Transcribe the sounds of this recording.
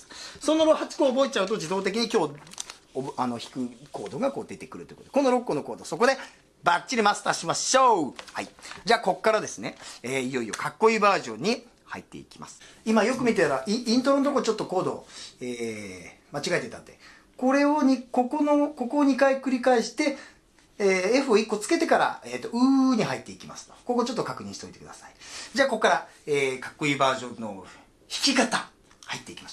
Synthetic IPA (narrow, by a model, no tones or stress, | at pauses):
sõ̞nːoɾohat͡sɨ̥koːbo̞et͡ɕaɯ̟t̪o̞d͡ʑid̪o̞ːt̪e̞k̬ʲiɲ̟ikʲo̞ː | ano̞çi̥kɯ̟ko̞̰ːd̪o̞ɡako̞ːd̪e̞t̪e̞̥kɯ̟ɾɯ̟t̪oiɯkot̪ekonːoɾo̞kːono̞ko̞ːd̪o̞so̞kod̪e̞ | bat͡ɕːiɾʲimast̪aːɕimaɕo̞ːha̰id͡ʑaːko̞kːaɾad̪e̞sɨne̞eːijo̞io̞̰kakːo̞iːbaːʑõ̞̰ɲ̟ːi | ha̰ḭt̪ːe̞̰ḭkʲi̥ma̰sɨ̥ | imajo̞kɯ̟mʲit̪eaɾaʔiĩnt̪̬oɾond̪okot͡ɕo̞t̪ːo̞ko̞ːd̪o̞̰eː | mat͡ɕiɡaet̪e̞t̪a̰nd̪e̞̰ | ko̞ɾe̞oɲiko̞konoko̞ko̞ːɲ̟ikaikɯ̟ɾʲikaeɕi̥t̪e̞ | eeɸɯ̟o̞ikːo̞t͡sɨ̥ke̞t̪e̞kaɾa̰et̪ːo̞ɯ̟ːɲ̟iɦait̪ːe̞ikʲima̰sɨ̥o̞̥koɡot͡ɕo̞t̪ːokakɯ̟ɲ̟ḭ̃ɕit̪oit̪e̞kɯ̟d̪asai̥d͡ʑaːko̞kːaɾaeːkḁkːo̞iːbaːʑõ̞nːo̞ | çi̥kʲikat̪a | hait̪ːe̞ikʲimaɕ